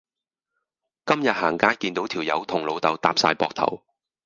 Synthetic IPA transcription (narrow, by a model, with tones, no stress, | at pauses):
kɐ˥mjɐ˨t̚haː˨˩ŋkaː˥jkiː˧nt̪o˨˥wt̪ʰiː˨˩wjɐ˨˧wt̪ʰʊ˨˩ŋlo˨˧wt̪ɐ˨˧wt̪aː˨p̚sa̰ː˧jpɔː˧k̚t̪ʰɐ̰˨˩w